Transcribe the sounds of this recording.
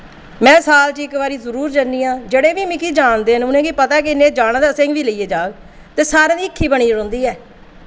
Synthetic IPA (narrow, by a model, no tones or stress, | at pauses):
mɛ̃ːsaːlt͡ʃɪkʋaːɾiːzəɾuːɾd͡ʒaniːãːd͡ʒeːɽeːʋiːmĩːkiːd͡ʒaːnd̪eːɦənʊnẽːɡipət̪aːɛk̬eɪnːẽːd͡ʒaːɽãːd̪aːsɪ̃ŋɡʋiːləiːeːd͡ʒaːɡ | t̪eːsaːɾẽːd̪iːɪkʰːiːbəɽiːɾõːnd̪iːɛː